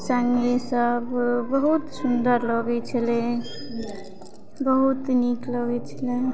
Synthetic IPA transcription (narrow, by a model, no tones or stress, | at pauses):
saŋɡesəbbəɦut̪sund̪əɾləɡɛt͡ʃʰəle | bəɦut̪nikləɡɛt͡ʃʰəle